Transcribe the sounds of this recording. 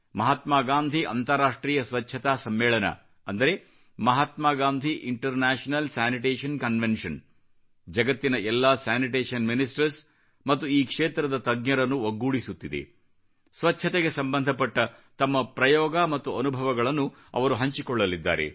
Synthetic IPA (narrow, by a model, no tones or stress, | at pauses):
mɐɦat̪maːɡaːnd̪ʱiʔɐ̰nt̪ɐɾaːʂʈɾiːjɐsʋɐtːt͡ʃʰːɐt̪aːsɐmːɛːɭɐnɐ̰ | ɐnd̪ɐɾe̞ | mɐɦat̪maːɡaːnd̪ʱiʔiɳʈɐɾnaːʂɐnɐlsaːniʈeːʂɐnkɐnʋenʂɐn | d͡ʒɐɡɐt̪ːinɐʔɛlːaːsaːniʈeːʂɐnminisʈɐɾs | mɐt̪ːuiːkʂeːt̪ɾɐd̪ɐt̪ɐɡɲɐɾɐnːuoɡːuːɽisut̪ːid̪ḛ | sʋɐt͡ʃt͡ʃʰɐt̪eɡe̞sɐmbɐnd̪ʱɐpɐʈːɐt̪ɐmːɐpɾɐjɔːɡamɐt̪ːuɐnubʱɐʋɐɡɐɭɐnːu | ɐ̰ʋɐɾuɦɐɲt͡ʃikɔɭːɐlid̪ːa̰ːɾḛ